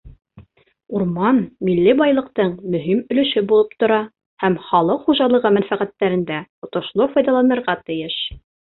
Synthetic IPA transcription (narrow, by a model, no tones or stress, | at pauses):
uɾmɑnmilːibɑjlˠɤ̆qt̪ɤɴmɵ̆ɦimɵ̆lɵ̆ʃɘbulˠɤp̚t̪ŏɾɑ | hæmχɑlˠɤqχuʒɑlˠɤ̆ʁɤmænfæqæt̪ːæɾɘ̆nd̪æt̪ŏt̪ŏʃlˠofɑjd̪ɑlˠɑnɤ̆ɾʁɑt̪ɘ̆jɘʃ